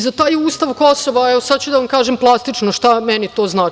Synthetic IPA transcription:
zat̪aːjuːst̪aʋko̞soʋaɛʋosad̪̚t͡ɕud̪aʋamkaːʒemplˠast̪it͡ʃnoʃt̪amɛnit̪o̞ːznaːt͡ʃi

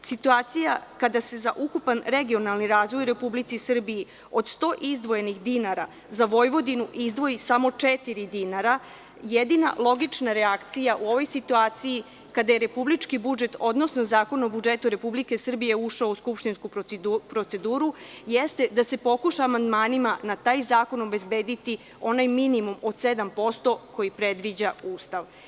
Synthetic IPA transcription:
sit̪uaːt̪sijakad̪ase̞zaʔukupanɾe̞ɡio̞nalˠniɾaːzʋo̞jɾe̞publit̪sisr̩biji | o̞d̪st̪o̞ːʔizd̪ʋo̞jenixd̪inaɾa | zaʋo̞jʋo̞d̪inuʔizd̪ʋo̞isamo̞t͡ʂet̪iɾid̪inaɾa | jed̪ina̰lˠo̞ɡit͡ʃnaɾeakt̪sijaʔuo̞ʋo̞jsit̪uaːt̪siji | kad̪ajeɾe̞publit͡ʃkibud͡ʒe̞t̪o̞d̪no̞snozaːko̞nobud͡ʒet̪uɾe̞publike̞sr̩bije̞uʃaouskupʃt̪inskupɾopɾo̞t̪se̞d̪uːɾujest̪e̞d̪ase̞po̞kuʃaːmand̪maːnimanat̪aːjzaːko̞no̞be̞zbeːd̪it̪i | o̞najminimumo̞d̪se̞d̪ampo̞st̪o̞ko̞jipɾe̞d̪ʋid͡ʑauːst̪aʋ

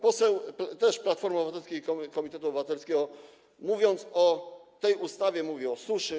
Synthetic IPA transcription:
pɔsɛwpt̪ɛʂplat̪fɔɾmɔbɘvat̪ɛlskʲiikɔkɔmʲit̪ɛt̪uɔbɘvat̪ɛlskʲɛɡɔ | muvʲjɔnt̪sɔt̪ɛjust̪avʲjɛmuvʲiɔsuʂɘ

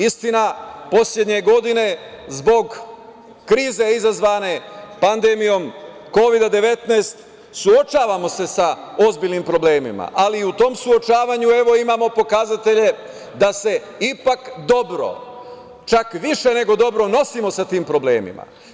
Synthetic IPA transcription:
ist̪inapo̞sʎed̪ɲe̞ɡo̞d̪ine̞zbo̞ɡ | kɾiːze̞izazʋaːne̞pand̪e̞mijo̞m | ko̞ʋid̪ad̪e̞ʋe̞t̪neːst̪ | suo̞t͡ʃaːʋamo̞se̞sao̞zbiːʎnimpɾo̞ble̞ːmḭma̰ʔaliut̪o̞ːmsuo̞t͡ʃaːʋaɲue̞ʋo̞imaːmo̞po̞kazat̪e̞ʎe̞ | d̪ase̞ | ipakd̪o̞bɾo̞̰ | t͡ʃakʋiʃe̞ne̞ɡo̞d̪o̞bɾo̞no̞simo̞sat̪iːmpɾo̞ble̞ːmḭma̰

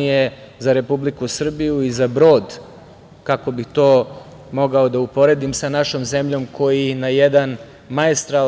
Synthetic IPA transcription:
ije | zaɾe̞publikusr̩bijuizabɾo̞ːd̪ | kako̞bit̪o̞ː | mo̞ɡaod̪aupo̞ɾe̞d̪imsanaʃo̞mze̞mʎo̞mkʰo̞jinajɛd̪an | maest̪ɾa

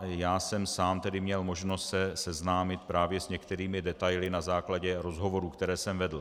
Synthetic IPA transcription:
jaːsɛmsaːmt̪ɛdɪmɲɛlmo̞ʒnost̪sɛsɛznaːmɪt̪̚pɾaːvjɛsɲɛkt̪ɛɾiːmɪdɛt̪ajlɪnazaːklaɟɛɾo̞zɦo̞vo̞ɾuːkt̪ɛɾɛːsɛmvɛdl̩

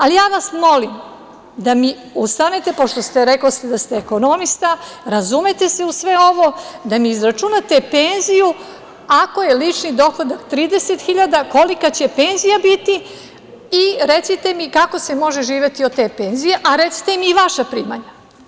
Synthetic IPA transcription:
alijaːʋasmo̞lim | d̪ami | ust̪anet̪e̞po̞ʃt̪o̞st̪eɾeklost̪ed̪ast̪eːko̞no̞mist̪aɾazumet̪e̞se̞usʋeo̞ʋo̞d̪amiːzɾat͡ʃunat̪e̞penziju | ako̞jelit͡ʃnid̪o̞xod̪akt̪ɾiːd̪e̞set̪xiʎad̪ako̞likat͡ɕe̞pe̞nzijabit̪i | iɾet̪sit̪e̞mikako̞se̞mo̞ʒeʒiːʋjet̪iod̪t̪eːpenzijeʔaɾet̪si̥t̪emiːʋaʃapɾiːmaɲa

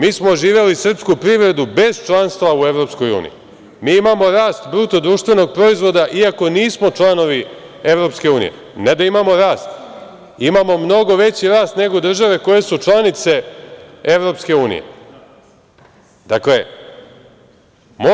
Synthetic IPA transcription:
miːsmoʒiːʋe̞lisr̩pskupɾiʋɾe̞d̪ube̞zt͡ʃlˠanst̪ʋaue̞ʋɾo̞psko̞jṵːnḭjḭ | miːimamo̞ɾaːst̪bɾut̪od̪ɾuːʃt̪ʋe̞no̞ɡ̚pɾo̞izʋo̞d̪aʔiako̞niːsmo̞t͡ʃlˠano̞ʋi | e̞vɾo̞pske̞uːnḭje̞̰ | ne̞d̪aimamo̞ɾaːst̪ | imamo̞mno̞ɡo̞ʋe̞t͡ɕiɾaːst̪ne̞ɡo̞d̪r̩ʒaʋe̞ko̞je̞sut͡ʃlˠanit̪se̞ | e̞ʋɾo̞pske̞uːnḭje̞̰ | d̪akle̞ | mo

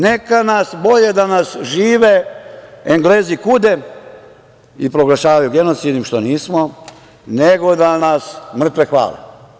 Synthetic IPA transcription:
ne̞kanasbo̞ʎed̪anasʒiːʋe | eŋɡle̞ːzikud̪e | ipɾo̞ɡlˠaʃaːʋajuɡenot̪sid̪imʃt̪o̞niːsmo | neɡo̞d̪anasmr̩t̪ʋexʋa̰ːle

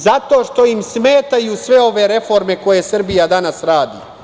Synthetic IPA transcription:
zat̪o̞ːʃt̪o̞imsme̞ːt̪ajusʋe̞o̞ʋe̞ɾe̞fo̞ɾme̞ko̞jesr̩bijad̪anasɾaːd̪ḭ

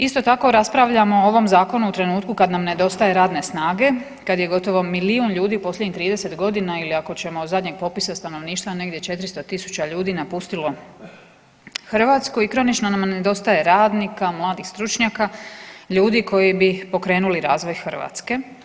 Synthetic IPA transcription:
ist̪o̞t̪ako̞ɾaspɾaʋʎamooʋo̞mzaːko̞nuut̪ɾe̞nuːt̪kukad̪namne̞d̪o̞st̪aje̞ɾaːd̪ne̞snaːɡe̞ | kad̪je̞ɡo̞t̪o̞ʋo̞miliunʎuːd̪iupo̞slʎʲed̪ɲit̪ɾiːd̪ese̞t̪ɡo̞d̪inailiako̞t͡ɕe̞mo̞zad̪ɲe̞ɡ̚po̞pisast̪ano̞ʋniːʃt̪ʋane̞ɡd̪jet͡ʃe̞t̪ɾist̪o̞t̪isu̥t͡ɕaʎuːd̪inapust̪ilo̞ | xr̩ʋat̪skuikɾo̞nit͡ʃnonamned̪o̞st̪aje̞ɾaːd̪nikamlˠaːd̪ixst̪ɾut͡ʃɲakaʎuːd̪iko̞jibipo̞kɾe̞ːnuliɾaːzʋo̞jxr̩ʋa̰t̪ske̞

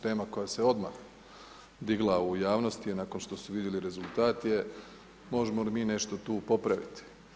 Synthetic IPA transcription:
t̪e̞ːmako̞jaseo̞d̪ma̰x | d̪iɡlˠaujaːʋno̞st̪ienaːkonʃt̪o̞suʋid̪jeliɾe̞zulˠt̪aːt̪je | mo̞ʒemolimiːne̞ʃt̪o̞t̪uːpo̞pɾaʋḭt̪i̥

